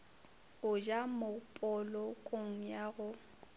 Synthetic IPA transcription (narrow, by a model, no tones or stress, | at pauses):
ʊd͡ʒamʊpʼɔlɔkʼoŋ̩jaɣʊ